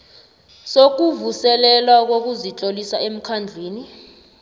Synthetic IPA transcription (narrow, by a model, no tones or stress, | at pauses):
sok̬uvusɛlɛlwak̬ok̬uzit͡ɬʼolisaem̩kʰand͡ɮʱiːni